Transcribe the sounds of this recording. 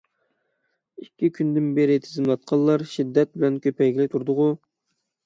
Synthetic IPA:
ikʲːikʲʰynd̪ɪnbeɾɪt̪ʰɪzɨmlˠɑt̪̚qʰɑlˠɑɾʃid̪ːɛt̪̚bɪlɛnkʲʰøpɛjɡʲilɪt̪ʰuɾd̪ʊʁʊ

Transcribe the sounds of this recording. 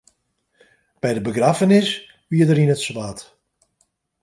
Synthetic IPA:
b̥ɛjdəbəɡrafənɪs | ʋiːədərinətsʋaːt

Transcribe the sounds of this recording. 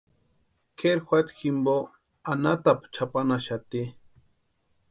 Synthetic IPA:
kʰeɾxʷat̪ximbo | anat̪apt͡ʃʰapanaʃat̪i

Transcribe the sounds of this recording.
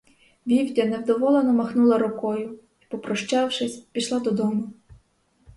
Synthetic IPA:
ʋʲiwdʲɐnɛwd̪ɔʋɔlˠenɔmɐxnulˠɐɾʊkɔjʊ | i̥pɔpɾɔʃt͡ʃɑwʃɪsʲpʲiʃlˠad̪ɔd̪ɔmʊ

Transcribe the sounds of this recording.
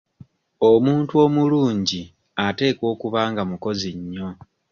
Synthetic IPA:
o̞muːntuo̞ːmuluːɲɟi | ate̞ːkwo̞ːkuβaːŋɡamuko̞ziɲːo̞

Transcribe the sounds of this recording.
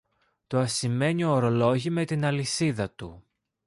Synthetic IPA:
t̪oɐsime̞ɲio̞ːɾo̞lo̞ʝime̞t̪inɐlisiðɐt̪ṵ

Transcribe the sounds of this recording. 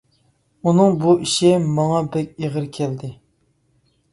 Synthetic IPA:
unɨŋbuʔiʃimɑŋɑbɛkʲeʁəɾkʲʰɛld̪ɪ

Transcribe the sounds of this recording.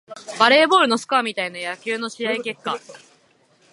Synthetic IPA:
baɾe̞ːbo̞ːɾɯ̟no̞sɨ̥kaamʲit̪ainojakʲɨːno̞ɕijaike̞kːa

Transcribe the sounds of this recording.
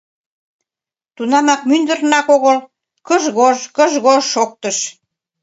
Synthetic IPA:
t̪unɑmɑk̚mynd̪ə̆rnɑkoɣəl | kəʒɣoʒkəʒɣoʃok̚t̪əʃ

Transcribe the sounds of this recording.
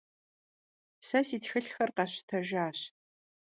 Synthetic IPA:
sɐsiːtxɨɬxɐrqɑɕtʰɐʒaːɕ

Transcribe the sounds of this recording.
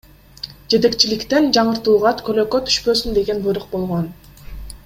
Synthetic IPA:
d͡ʒe̞t̪e̞kt͡ʃilikt̪end͡ʒɑɴɯɾt̪uːʁɑt̪kʰøløkøt̪ʰy̥ʃpø̞ːsynd̪e̞ɡe̞nbujɾuq̚bo̞lˠʁon

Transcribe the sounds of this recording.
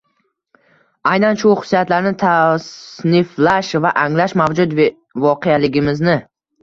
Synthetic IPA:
ajnanʃʊχʊ̥sːijat̪laɾnɪt̪ʰasnɪflaʃvaʔaŋlaʃmavd͡ʒʊd̪ | vɒqʰealɪɡʲɪmɪznɪ

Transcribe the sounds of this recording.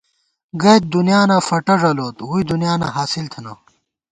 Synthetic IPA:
ɡɐjt̪̚d̪unjaːnafɐʈɐʐɐloːt̪ɦud̪unjaːna̰ɦaːsilt̪ʰɐnɐ̰

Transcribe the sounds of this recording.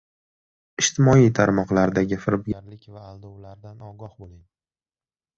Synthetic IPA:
ɪʃt̪ʰɪmɒit̪ʰaɾmɒqlˠaɾd̪aɡʲɪfɪɾbɡʲaɾlɪkʲvaːlˠd̪owlaɾd̪anɒɡɒhbolˠɪŋ

